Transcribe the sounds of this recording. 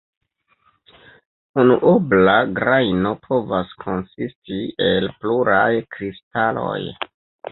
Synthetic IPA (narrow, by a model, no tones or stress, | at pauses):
unuʔoblaɡɾajno̞pʰo̞vaskʰo̞nsistie̞lpluɾajkɾistalo̞̰j